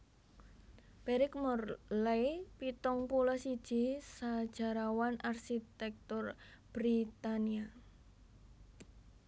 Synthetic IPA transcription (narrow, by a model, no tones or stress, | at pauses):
b̥eɾɪk̚mɔrlajpit̪ɔŋpulɔsid̥ʒ̥isad̥ʒ̥a̤ɾawanarʃit̪ɛk̚t̪ʊr | b̥ɾit̪ania